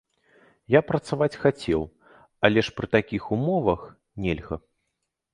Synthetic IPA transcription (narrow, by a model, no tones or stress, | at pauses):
japɾɐt̪savat͡sʲxat͡sʲɛw | ɐlʲɛʂpɾɨt̪akʲixumɔvɐx | nʲɛlʲɣɐ̰